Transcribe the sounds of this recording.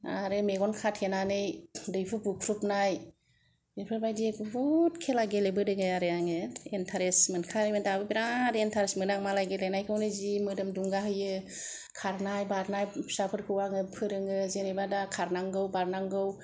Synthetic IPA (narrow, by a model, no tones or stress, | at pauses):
aɾɯmeɡɔnkʰatʰhenanɯjdɯjpʰɯbukʰɾupnaj | epʰɯɾbajdiekbutkʰelaɡelebɯdɯŋɯaɾɯaŋɯentʰaɾesmɯnkʰaɾementʰabɯbiɾadentʰaɾesmɯnaŋmalaɡelenajkʰɯwnɯzimɯdɯmduŋɡaɦɯjɯ | kʰaɾnajbaɾnajsapʰɯɾkʰɯwaŋɯpʰɯɾɯŋɯzenebadakʰaɾnaŋɡɯwbaɾnaŋɡɯw